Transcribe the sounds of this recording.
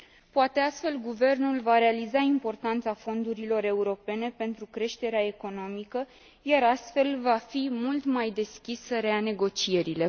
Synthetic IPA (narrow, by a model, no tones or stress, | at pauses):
poat̪e̞ast̪fe̞lɡuve̞rnulvaɾe̞alizaimpo̞rt̪ant̪safo̞nd̪uɾilo̞ɾe̞uɾo̞pe̞ne̞pe̞nt̪ɾukɾe̞ʃt̪e̞ɾeae̞ko̞no̞mikə | jaɾast̪fe̞lvafimult̪majd̪e̞skʲisəɾeane̞ɡo̞t͡ʃie̞ɾile̞